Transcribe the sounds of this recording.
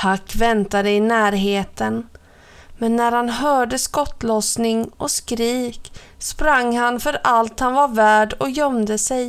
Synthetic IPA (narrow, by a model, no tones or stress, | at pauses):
hakːvɛnt̪ad̪əɪnæːɾɦeːt̪ən | mɛnːæɾhanɦœːɖəskɔt̪lɔsnɪŋʔɔskɾiːk | spɾaŋːhanfœɾalt̪hanvaɾvæːɖɔjœmd̪əsɛj